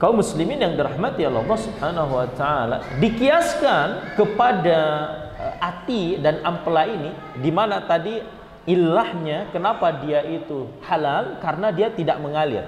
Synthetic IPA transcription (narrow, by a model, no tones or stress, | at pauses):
kaumːuslimɪnjaŋdəɾahmat̪ijalɑ̰lːɑhsubhanaɦuwat̪aala̰dikiaskankəpada | ʔat̪idanamplaini | dimanat̪adi | ilːahɲakənapadiaʔit̪uhalalkaɾənadiat̪idaʔməŋalɪ̰r